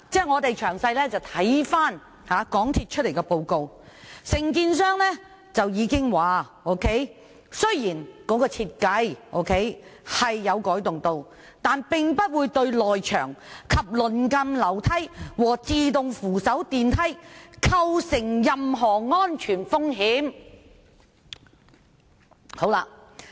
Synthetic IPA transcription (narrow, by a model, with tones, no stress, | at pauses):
t͡sɛː˥ŋɔː˨˧t̪e˨jt͡ʃʰœː˨˩ŋsɐ˧jlɛː˥t͡sɐ˨wt̪ʰɐ˨˥jfaː˥n | haː˨˥kɔː˨˥ŋt̪ʰiː˧t̚t͡ʃʰɵ˥le˨˩jkɛ˧po˨˧wko˧w | sɪ˨˩ŋkiː˧ns̬œː˥ŋlɛː˥ | t͡sɐ˨wjiː˨˧kɪ˥ŋwaː˨ | o˥kʰe˥j | sɵ˥ɥjiː˨˩nkɔː˨˥kɔː˧t͡sʰiː˧t̚kɐ˨˧˥jʔo̰˧˥wkʰe˥jhɐ˨jːɐ˨˧wkɔː˨˥jt̪ʊ˨ŋt̪o˧w | t̪aː˨npɪ˨ŋpɐ˥t̚wuː˨˧jt̪ɵ˧ɥlɔː˨jt͡ʃʰœː˨˩ŋkʰɐ˨p̚lɵ˨˩nkɐ˧mlɐ˨˩wt̪ʰɐ˥jwɔː˨˩t͡siː˧t̪ʊ˨ŋfuː˨˩sɐ˨˥wt̪iː˨˧nt̪ʰɐ˥jkʰɐ˧wsɪ˨˩ŋjɐ˨mɦɔː˨˩ŋɔː˥nt͡ʃʰyː˨˩nfʊ˥ŋɦiː˨˥m | ho˨˥wlaː˧